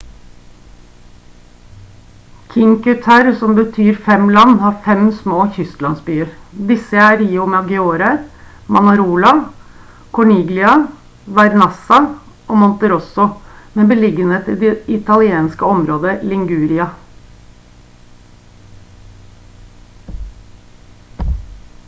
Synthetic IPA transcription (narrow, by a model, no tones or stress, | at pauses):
kʰɪŋkʉt̪ʰæɾsɔmbət̪ʰyːɾfɛmlɑnːhɑːɾfɛmsmoːçʏst̪lɑnsbyːəɾd̪ɪsəæːɾiːumɛɑʋɡɛoːɾəɾ | mɑnɑɾuːlɑ | kʰɔɳiːɡlɪɑ | ʋæɾnɑsɑ | ʔoːmɔnt̪əɾɔsʊmeːbəlɪɡəneːt̪ɪ̰ːd̪ɛɪt̪ʰɑlɪeːnskəɔmɾoːd̪əlɪŋɡʉːɾɪɑ